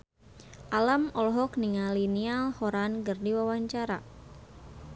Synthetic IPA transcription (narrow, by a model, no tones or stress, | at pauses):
ʔalamɔlɔɦɔkniŋalinialhɔɾankɨrdiwawaɲt͡ʃaɾa